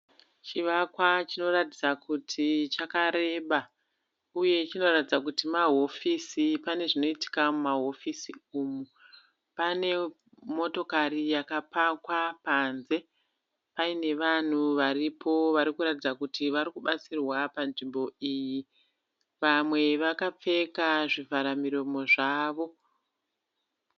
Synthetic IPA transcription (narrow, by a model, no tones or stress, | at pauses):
t͡ʃiʋakwat͡ʃino̞ratid͡zakutʰit͡ʃakaɾe̞ːɓa | uje̞t͡ʃino̞ratid͡zakutimaɦo̞fisipane̞ʐino̞iti̥kamumaɦo̞fisiuːmu | pane̞ | mo̞to̞karijakapakwapanze̞ | paine̞ʋan̤uʋaripʰo̞ʋaɾikuɾatid͡zakutiʋaɾikuɓat͡sirwapanʐimbo̞iːji | ʋamwe̞ʋakap͡fe̞kaʐivʱaɾamiɾo̞mo̞ʐaːʋo̞